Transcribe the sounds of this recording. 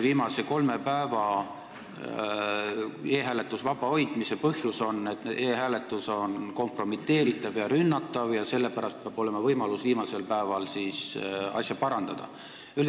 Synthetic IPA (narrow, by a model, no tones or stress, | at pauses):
viːmɑse̞ko̞lme̞pæevɑ | e̞ːɦæːle̞t̪ːˑusvɑb̥ɑo̞jd̪̥misepɤhjuso̞nːet̪eːɦæːlet̪ːˑuso̞nko̞mpro̞mit̪ːˑe̞ːɾit̪ːˑɑvjɑɾynːɑt̪ːˑɑvjɑse̞lːepæɾɑst̪̚peɑb̥o̞le̞mɑvɤjmɑlusviːmɑse̞lpæevɑlsisɑ̰sjɑpɑɾɑnd̪̥ɑd̪̥ɑ̰ | yl